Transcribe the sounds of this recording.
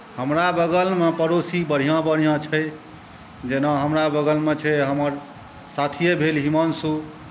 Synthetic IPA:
həmɾabəɡəlmepəɾosibəɽ̤ijãbəɽ̤ijãt͡ʃʰɛj | d͡ʒenãɦəmɾabəɡəlmet͡ʃʰɛɦəməɾ | sat̪ʰijebʱelɦimɔnsu

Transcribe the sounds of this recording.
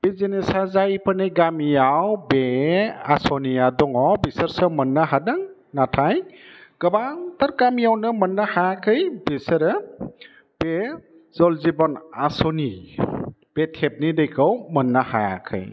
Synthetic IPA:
b̥ezinesazajpʰɯneɡamijawbea̰sɔnijadɔŋɔbisəɾsɯmənːaɦadaŋ | natʰajɡ̥ɐbaŋtaɾɡamijawnɯmənːahajakʰɯjbisəɾ | b̥e | zɔlzibɔnasɔni | b̥etʰep̚nidejkʰɔwmənːahaja̰kʰɯ̰j

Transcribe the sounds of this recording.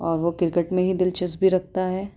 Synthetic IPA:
ɔːɾʋokɪɾkəʈmẽɦid̪ɪlt͡ʃɪsbʱiɾɐk̚ʰt̪aɦɛː

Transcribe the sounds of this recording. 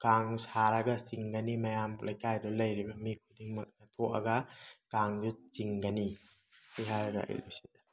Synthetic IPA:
kaŋsaɾɐɡasiŋɡɐnimɐjamlʔɐjkajdɔlɐjɾibɐmikʰudiŋmɐk̚nɐtʰɔʔɐ̰ɡɐkaŋd͡ʒut͡ʃiŋɡɐni | sʰijɦaɾɐɡa̰ɐ̰jlṵsidḁ

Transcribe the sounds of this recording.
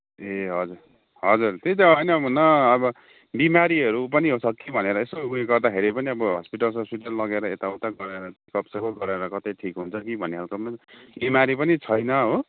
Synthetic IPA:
eɦʌd͡zur | ɦʌd͡zurt̪et̪aɦʌjnʌːbʌnʌːbʌ | bimaɾiɦʌɾup̬ʌniɦosʌkːibʱʌneɾʌesouɦeɡʌrd̪akʰeɾipʌniʌbʌɦʌ̰spiʈʌlsʌspiʈʌlːʌɡeɾʌet̪aut̪aɡʌɾeɾʌt̪ikʌpsʌkoɡʌɾeɾʌkʌt̪ʌʈʰikɦunt͡sʰʌkibʱʌnːeɦʰalkomabimaɾipʌnit͡sʰʌjnʌɦo

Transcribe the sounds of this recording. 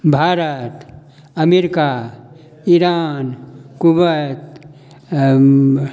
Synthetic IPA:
bʱaːɾət̪ | əmeɾika | iɾaːnkubət̪

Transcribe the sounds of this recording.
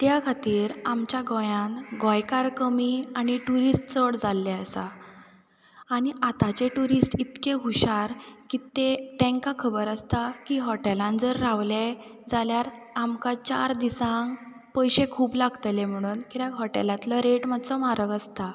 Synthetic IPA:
t̪jakʰat̪iːɾamt͡ɕjaɡɔ̃jãŋɡɔ̃jkaɾkəmiañiʈuɾisʈt͡səɽd͡zalːeəsa | ɽ̃iʔat̪at͡ɕeʈuɾisʈit̪keɦuɕaɾkit̪et̪ɛ̃ŋkakʰəbəɾəst̪akiɦɔʈelãnd͡zəɾːaʋle | d͡zaljaɾ | amkat͡ɕa̰ɾd̪isãŋ | pəjɕekʰuːplaɡt̪əlem̤əɽ̃uːnkit̪akɦɔʈḛlãt̪ləɾeʈmad̪t͡səmaɾəɡəst̪a

